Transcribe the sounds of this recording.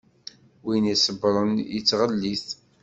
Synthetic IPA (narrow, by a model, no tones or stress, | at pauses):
winisəbɾˤənjət͡sːʁəlːiθ